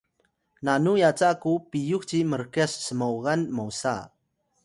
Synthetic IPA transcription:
nanujat͡sakupijuk̚t͡ɕiməɾkɛsːəmowɣanmowsa̰

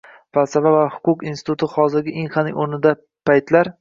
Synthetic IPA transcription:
falsavavahʊ̥qʊqinsɪ̥t̪ʰʊt̪ʰɪχɒzɪɾɡʲɪʔinχanɪŋoɾnɪd̪a | pʰajt̪laɾ

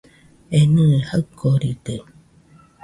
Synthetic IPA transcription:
enɨ̃haɨkːoɾit̪e

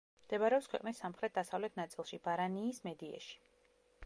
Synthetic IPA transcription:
md̪̥ɛbaɾɛɔpskʰwɛ̰qʼnisːamχɾɛt̪̚ʰd̪̥asavlɛt̪̚ʰnat̪sʼilˠʃibaɾaniːsmɛd̪ia̰ʃi̥

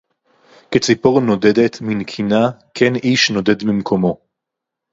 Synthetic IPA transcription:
ket͡sipoʁno̞de̞d̪et̪minkʰinakʰeniʃno̞de̞dmimkʰo̞mo̞

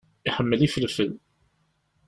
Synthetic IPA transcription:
iħəmːəlifəlfəl

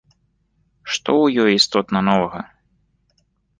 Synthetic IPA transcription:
ʂt̪ɔwjɔjist̪ɔt̪nɐnɔvɐɣɐ

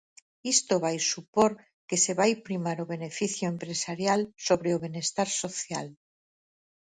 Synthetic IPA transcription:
ist̪oβ̞ajsupoɾ | keseβajpɾimaɾoβ̞e̞nefiθjoempɾesaɾjalsoβ̞ɾeoβ̞enest̪aɾsoθjal

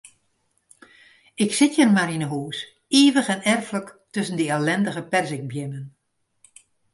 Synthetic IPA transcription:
ɪksɪtjərmarinəɦuːs | iːʋəxɛnɛrfləktøsən̩dəɛlɛndəɣəpɛrzɪŋ̚bjɪmən

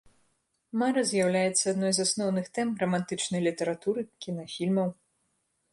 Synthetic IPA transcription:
maɾɐzʲjawlʲajɛt̪sːɐad̪nɔjzasnɔwnɨxt̪ɛmrɐmant̪ɨt͡ʂnɐjlʲit̪ɐɾat̪uɾɨkʲinafʲilʲmɐw

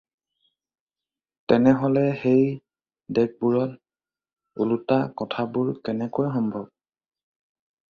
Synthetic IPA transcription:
tɛnɛɦɔlɛxej | dɛk̚buɹɔl | ulutakɔtʰabʊɹkɛnɛkojxɔmbʱɔb̚

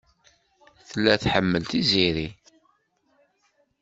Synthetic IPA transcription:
θəlːæθħəmːəlt̪iziɾi

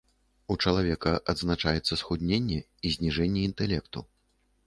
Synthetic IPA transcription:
ut͡ʂɐlˠavʲɛkɐʔɐd̪znat͡ʂajɛt̪sːɐsxud̪ʲnʲenʲːɛ | izʲnʲiʐɛnʲːɛint̪ɛlʲɛkt̪ṵ

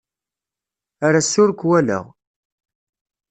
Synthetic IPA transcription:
aɾasʊɾkʷwælə̰ʁ

